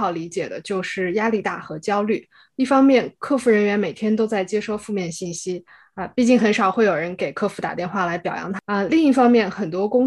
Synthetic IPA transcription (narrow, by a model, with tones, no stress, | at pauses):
ɑ˨˩ʊli˧˥t͡ɕjɛ˨˩d̪ə˦t͡ɕjo˥˧ʊʂɻ̩˥˩ja˥li˥˧t̪a̰˥˩xɤ˧˥t͡ɕjɑ˥ʊly˥˩ | i˥˩fɑ˥ŋmjɛ˥˧nkʰɤ˥˧fu˥˩ɻə˧˥nɥɛ˧˥nme˨˩t̪ʰjɛ˥nt̪̬o˥ʊt͡sa˥˩ɪt͡ɕjɛ˥ʂo˥˧ʊfu˥˧mjɛ˥˧nɕi˥˩nɕi˥ | ə˧pi˥˧t͡ɕi˥˩ŋxə˧˥nʂɑ˨˩ʊxwe˥˩ɪjo˨˩ʊɻə˧˥nke˨˩ɪkʰɤ˥˩fu˧˥t̪a̰˨˩t̪jnxwa˥˩la˧˥ɪpjɑ˨˩ʊjɑ̰˧˥ŋt̪ʰə˧li˥˧ŋi˥˩fɑ˥ŋmjɛ˥˩nxə˨˩nt̪wɔ˥kʊ˥ŋ